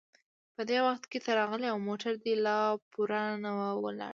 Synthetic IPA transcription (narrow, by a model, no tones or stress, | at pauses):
pəd̪ewaxt̪ket̪aɾɑɣəleawmoʈaɾd̪elɑpuɾanawawə̰la̰